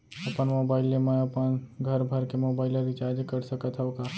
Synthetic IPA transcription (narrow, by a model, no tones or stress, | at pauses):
ɐpənmoːbaːɪlemẽɐpənɡʱɐɾbʱɐɾkemoːbaːɪlad̪ʱit͡ʃaːd͡ʒkɐɾsɐkət̪ʰaokaː